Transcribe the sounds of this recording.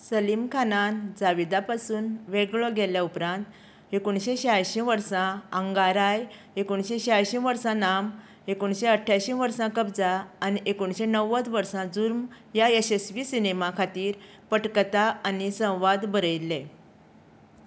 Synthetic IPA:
səlimkʰanand͡zaʋid̪apasuːnʋeɡɭɔɡʱɛljaupɾãnt̪ | ekoɳɕeɕajɕĩʋəɾsãəŋɡaɾaj | ekoɳɕeɕajɕĩʋəɾsãnam | ekuɳɕeəʈʰːjaɕĩʋəɾsãkəbd͡zaːniʔekoɳɕenəʋət͡s̪ʋəɾsãd͡zuɾm | jaesesʋiːsinemakʰat̪iːɾ | pəʈkt̪aːnisə̃w̃ʋad̪bəɾəjle

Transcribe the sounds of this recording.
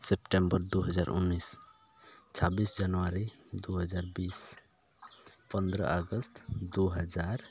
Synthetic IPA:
sepʈembəɾd̪uɦəd͡ʒaɾʔṵnːis | t͡ʃʰabisd͡ʒanuaɾid̪uɦəd͡ʒaɾbis | pənd̪ɾə̰ʔaɡəst̪d̪uɦəd͡ʒaɾ

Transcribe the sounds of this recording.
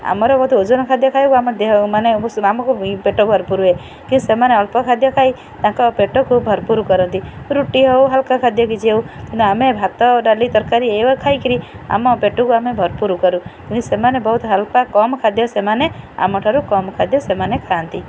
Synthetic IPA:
a̰mɔɾɔbɔt̪od͡ʒɔnɔkʰad̪jɔkʰajkuamɔd̪emaneamɔkupeʈɔbʱɔɾpuɾuɦe | kĩisemaneɔlpɔkʰad̪ʱjɔkʰaj | t̪ãkɔpeʈɔkʰub̚bʱɔɾpuɾukɔɾɔnt̪iɾuʈiɦɔwɦalkakʰad̪jɔkid͡ʒiewkĩnt̪uamebʱat̪ɔɖalit̪ɔɾkaɾiewɔkʰajkʰiɾia̰mɔpeʈukuamebʱɔɾpuɾukɔɾukĩwkisemanebɔɦut̪ɦalpakɔmɔkʰad̪jɔsemanea̰mɔʈʰaɾukɔmɔkʰad̪ʱjɔsemanekʰant̪i

